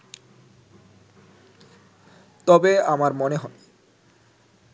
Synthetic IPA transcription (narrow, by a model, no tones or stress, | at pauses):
t̪ɔbeamaɾmɔneɦɔn